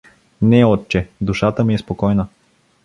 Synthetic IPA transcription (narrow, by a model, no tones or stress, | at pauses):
nɛɔt̪̚t͡ʃɛd̪uʃat̪əmiɛspokɔjnə